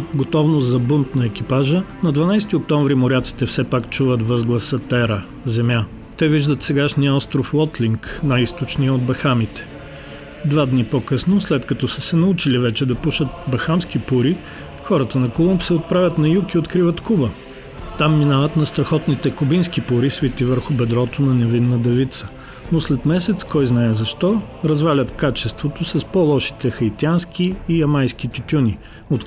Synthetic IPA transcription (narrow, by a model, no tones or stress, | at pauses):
ɡot̪ɔvnozzɐbunt̪nɐɛk̟ʲipaʒənɐd̪vɐnajst̪iok̚t̪ɔ̃ɱvɾimʊɾʲat̪si̥t̪ɛfsɛpakt͡ʃuvət̪vəzɡlˠɐsɐt̪ɛɾə | zɛmʲja | t̪ɛviʒd̪ət̪sɛɡaʃnijəɔst̪ɾoflˠɔt̪liŋknajist̪ot͡ʃniəod̪̚bɐxamit̪ɛ̥ | d̪vad̪nipokɤsnoslɛt̪kɐt̪ɔsəsɛnɐut͡ʃilivɛt͡ʃɛd̪ɐpuʃət̪̚bɐxamskipuɾi | xɔɾət̪ənɐkolˠumpsɛot̪̚pɾavʲət̪nɐjukiot̪kɾivət̪kubə | t̪amːinavət̪nɐst̪ɾɐxɔt̪nit̪ɛkʊbinskipuɾisvit̪ivəɾxʊbɛd̪ɾɔt̪onɐnɛvinːəd̪ɛvit̪sə̥ | noslɛt̪mɛsɛt̪skɔjznaɛzɐʃt̪ɔ | ɾɐzvalʲət̪kat͡ʃɛst̪vot̪osɐspɔlˠɔʃi̥t̪ɛxɐjt̪iansk̟iːjɐmajsk̟it̪ʲuk̪ʲunʲi | ot̪